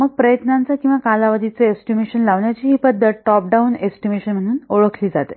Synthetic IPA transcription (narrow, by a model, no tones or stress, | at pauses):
məɡ̚pɾəjət̪nãnt͡sakĩw̃ʋakalaʋəd̪ʱit͡seesʈimeɕənlaʋɳjat͡ɕiːɦiːpəd̪ʱːət̪̚ʈɔp̚ɖaunesʈimeɕənm̤əɽ̃uːnoɭəkʰliːd͡zat̪e